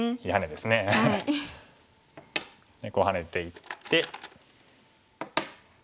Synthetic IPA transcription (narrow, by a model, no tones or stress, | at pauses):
ihane̞d̪e̞sɨne | neɡo̞ɦane̞t̪e̞it̪ːe̞